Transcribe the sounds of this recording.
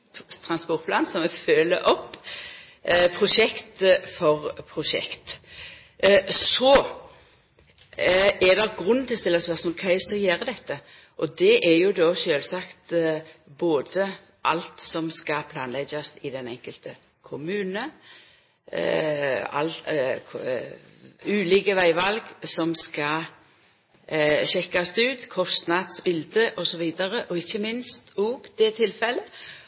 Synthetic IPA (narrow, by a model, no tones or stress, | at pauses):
t̪ʰɾɑnspɔʁt̪̚pʰlɑːnsɔmɛføːlə̰ʔɔpː | pʰʁʊʃɛkt̪fɔʁpʰʁʊʂɛ̰kt̪ | sɔ | ɛd̪ɛɡʁʉnːnt̪ɪlst̪ɪlːɑsʋɑsnɔkʰæɪsɑjeːɾəd̪ɛt̪ːə | ʔɔd̪ɛʔɛjʊd̪ɔːʃøːlsɑkt̪boːd̪ə | ʔɑlt̪sɔmskɑpʰlɑːnlɛɡɑsɪd̪ɛnɛŋkəlt̪ə | kʰʊmʉːnə | ɑ̰l | ʉːliːkəʋæɪʋɑlɡsɔmskɑ | ɕɛkːɑst̪ʉːt̪kʰɔst̪nɑd̪sbɪld̪əʔɔsɔʋiːd̪ɑɾəʔɔɪçːəmɪnst̪oːɡd̪̥ɛt̪ʰɪlfɛlːə